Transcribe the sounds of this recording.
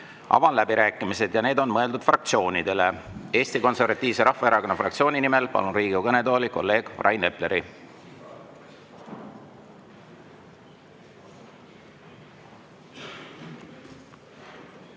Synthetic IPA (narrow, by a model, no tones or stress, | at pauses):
ʔɑ̰vɑnlæbiɾæːkːˑimise̞d̪jɑne̞ːd̪̥o̞nmɤe̞ld̪ud̪̥frɑk̚t̪sio̞ːnid̪̥e̞le̞e̞ːst̪iko̞nse̞rvɑt̪ʲːˑiːvse̞ɾʔɑhfɑeɾɑko̞nːɑfrɑk̚t̪sio̞ːnʲinime̞lpɑ̰lunriːɡukɤne̞d̪o̞ːliko̞̰lːe̞ːɡ̥vrʔɑjne̞ple̞ɾi